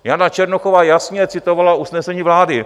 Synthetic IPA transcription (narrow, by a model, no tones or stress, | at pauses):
janat͡ʃɛɾnoxovaːjasɲɛt͡sɪt̪ovalaʔusnɛsɛɲiːvlaːdɪ